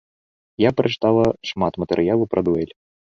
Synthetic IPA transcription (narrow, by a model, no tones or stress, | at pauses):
japɾɐt͡ʂɨ̥t̪alˠɐʂmat̪mɐt̪ɛɾɨjalˠupɾʔɐd̪uɛlʲ